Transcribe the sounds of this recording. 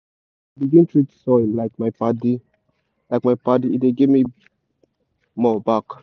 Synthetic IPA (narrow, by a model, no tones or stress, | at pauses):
abiɡĩntʰɹitsɔ̃laɪk̚maɪpati | laɪk̚maɪpat̬iideɡivmi | mɔbak